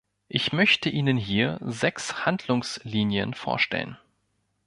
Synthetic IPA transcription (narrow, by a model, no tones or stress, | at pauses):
ʔɪçmœçtəʔiːnənɦiːɐzɛkshandlʊŋsliːnjə̰nfo̰ːɐʃtɛ̰lə̰n